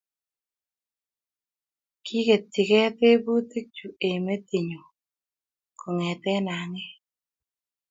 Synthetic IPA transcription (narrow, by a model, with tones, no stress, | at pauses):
kʰi˦ke˨t̪ːi˨kɛ˦pe˦bu˦t̪e˦k̚t͡ʃu˨e˨me˦t̪i˨ɲo˨ | kɔ˨ŋɛ˨t̪ɛ˦na˨ŋɪ˦